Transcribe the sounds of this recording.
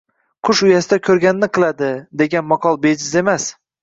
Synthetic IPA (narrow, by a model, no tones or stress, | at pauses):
qʰʊʃʊjasɪd̪akʲʰɵɾɡʲanɪnɪqʰɨlˠad̪ɪd̪e̞ɡʲanmɒqʰɒlˠbed͡ʒɪze̞mas